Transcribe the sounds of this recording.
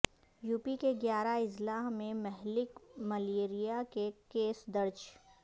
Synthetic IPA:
juːpikeɡjaːɾaɪzlaːɦmẽmɛɦlɪkmɐleːɾijakekeːsd̪ɐɾt͡ʃ

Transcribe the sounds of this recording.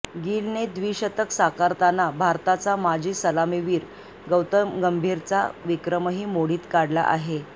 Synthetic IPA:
ɡiːlned̪ʋiːɕət̪əksakaɾt̪anːabʱaɾt̪at͡samad͡ʑʱiːsəlamiʋiːɾ | ɡəwt̪əmɡəmbʱiːɾt͡sa̰ʋikɾəməɦiːmoɽiːt̪kaɽla̰ʔa̰ɦe

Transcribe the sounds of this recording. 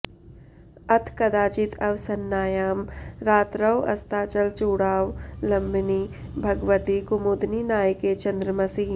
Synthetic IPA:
ɐt̪ʰkɐd̪aːt͡ʃɪt̪ʰɐʋsɐnːaːjaːmɾaːt̪ɾɐʋɐ̰st̪ʰaːt͡ʃɐlt͡ʃuːɽaːʋlɐ̃mbnibʱɐɡʋət̪ikʊmud̪niːnaːjəket͡ʃɐ̃nd̪ɾəmɐsiː

